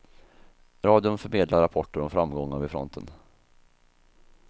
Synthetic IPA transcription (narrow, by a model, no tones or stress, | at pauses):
ɾɑːd̪ɪʊnfœɾmeːd̪laɾapʰɔʈːəɾɔmfɾamːɡɔŋːavɪfɾɔ̰nt̪ʰə̰n